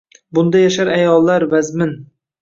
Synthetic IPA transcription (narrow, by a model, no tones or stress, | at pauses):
bʊnd̪ajaʃaɾajɒlˠːaɾvazmɪn